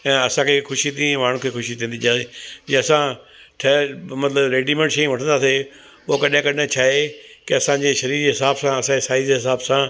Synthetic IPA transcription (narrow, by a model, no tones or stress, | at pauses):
ɛ̃ːɐsãkʰeːxʊʃit̪ʰĩmaːɳ̤ũkʰeːxʊʃit̪ʰĩːnd̪id͡ʑaːed͡ʑeɐsã | ʈʰɐmɐt̪ləbɾeːɖimẽɳʈʃɐĩʋɐʈʰə̃nd̪aːse | okɐɗɪ̃kɐɗɪ̃t͡ɕʰaːekɪɐsãːd͡ʑeːʃɐɾiːɾd͡ʑeːɦɪsaːbsãɐsãd͡ʑesaːɪzd͡ʑeɦɪsaːbsã